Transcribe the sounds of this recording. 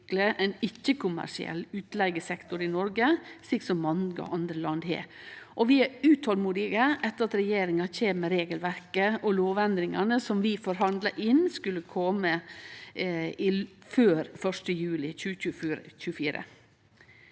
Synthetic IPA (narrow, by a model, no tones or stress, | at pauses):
kləʔɛɪnɪçːəkʰʊmæ̰ʂɪɛ̰lːʉːt̪lɛɪɡəsɛkt̪ʊɾɪnɔɾɡəsiːksɔmːɑŋəɔ̰ʔɑnd̪ɾəlɑnd̪hḛːʔɔʋɪæɾʉːt̪hɔlmuːd̪ɪɡəʔɛt̪ːəɾɑt̪ɾɛjeːɾɪŋɑçeːməɾeːɡəlʋæɾkəʔɔloːʋɛnd̪ɾɪŋɑnəsɔmʋɪfɔɾɦɑnd̪lɑʔɪnskʉlːəkʰɔmə | ɪføːɾfœʂʈəjʉːlɪçʉːʉc͡çʉːəfiːɾə̰